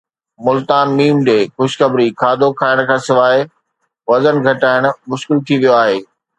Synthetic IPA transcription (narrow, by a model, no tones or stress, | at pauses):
mʊlt̪aːnmiːmd͡ʑeːxʊʃʰxɐbɾikʰaːd̪ʱokʰaːɪɽ̃kʰãːsɪʋaːɪ | ʋɐzənɡʱɐʈaːɪɽ̃ʊ̆mʊʃkɪlt̪ʰiʋijoaːɦeː